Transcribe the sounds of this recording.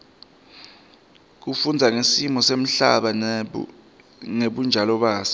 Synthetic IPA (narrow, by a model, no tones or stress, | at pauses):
k̬ufund͡zʱaŋesimɔsem̩ɬa̰ɓa | ŋeɓund͡ʒʱalɔɓaːsɛ̥